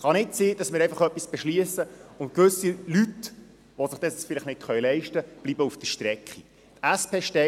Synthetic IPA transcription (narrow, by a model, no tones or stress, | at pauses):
χɑnɪtsiːd̥ɑsmɪːɾɛɪfɑχœpːisb̥ɛʃliəsəʊntkʋɵsilyt | ʋosɪχd̥̪ɛsfɪlɪχnɪtχœjlɛɪʃtəb̥libəufd̥əʃtɾɛkχi | t̪æspʰeːʃtɛ